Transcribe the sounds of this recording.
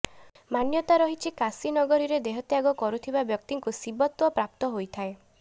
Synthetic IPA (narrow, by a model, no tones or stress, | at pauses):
manjɔt̪aɾɔɦit͡ʃʰikasinɔɡɔɾiɾed̪eɦɔt̪jaɡɔkɔɾut̪ʰibabjɔkt̪iŋkusibɔt̪wɔpɾap̚t̪ɔɦojt̪ʰae